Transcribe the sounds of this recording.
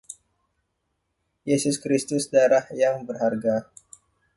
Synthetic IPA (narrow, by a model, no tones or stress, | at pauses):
jesʊskɾist̪ʊsdaɾahjaŋbərɦarɡa